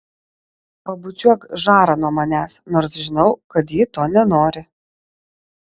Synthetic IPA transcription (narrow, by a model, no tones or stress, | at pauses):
pɐbʊt͡ʃʲuɔkʒɑːɾɐnuɔmɐnʲæːsnoːɾsʒʲɪnɐʊkɐt̪̬jɪt̪oːnʲɛnoːɾʲɪ